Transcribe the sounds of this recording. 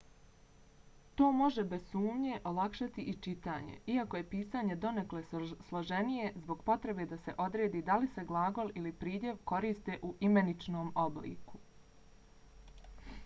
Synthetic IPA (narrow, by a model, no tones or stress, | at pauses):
t̪o̞ːmo̞ʒebe̞z̥suːmɲe̞ʔo̞lakʃat̪iʔit͡ʃit̪a̰ːɲḛiako̞je̞piːsaːɲe̞d̪o̞nekleslˠoʒenije̞zbo̞ɡpo̞t̪ɾe̞be̞ːd̪ase̞ʔo̞d̪ɾeːd̪iːd̪alise̞ɡlˠaːɡo̞lilipɾiːd̪ʲje̞ʋko̞ɾiːst̪e̞ʔuʔime̞nit͡ʃno̞ːmoblḭːku̥